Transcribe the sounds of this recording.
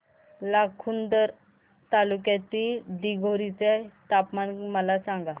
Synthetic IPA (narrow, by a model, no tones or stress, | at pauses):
lakʰund̪əɾ | t̪alukjat̪id̪iɡʱoɾit͡set̪apmanməlasãŋɡa